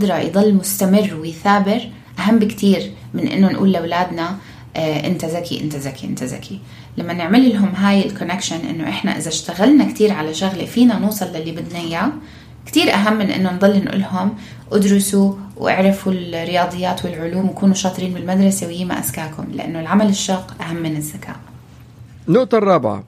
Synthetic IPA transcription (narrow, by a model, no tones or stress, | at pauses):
d̪ɾˤɑjd̪ˤɑlːmʊst̪amɪrːwɪjθaːbɪɾ | ʔaɦamːbɪkt̪ʰiːɾ | mɪnʔɪ̰nːʊnʔṵːlːawlaːd̪na | ʔɪ̰nt̪azakiʔɪ̰nt̪azakiʔɪ̰nt̪aza̰kʰi | lamːanɪʕmɪlɪlɦʊmɦaːjɪlkʊnɪkʃanʔɪ̰nːʊʔɪħna̰ʔɪ̰zaʃt̪aɣalnakt̪iːɾʕalaʃʊɣlefiːnanuːsˤɑlːalːibɪd̪naja | kt̪iːɾʔaɦamːɪnʔɪ̰nːʊnðˤɑlːinʔṵːlɦʊm | ʔad̪ɾʊsuwʔa̰ʕɾɪfulrːɪjɑːd̪ˤɨjːaːt̪wɪlʕʊluːmwɪkuːnuʃɑːt̪ˤɾiːnbɪlmad̪ɾˤɑsewjiːma̰ʔa̰z̥kaːkhʊmlɪʔa̰nːʊlʕamalɪʃːɑɾqʔaɦamːɪnɪzːakʰa̰ːʔ | nʊʔt̪ɑrˤːɑːbʕa̰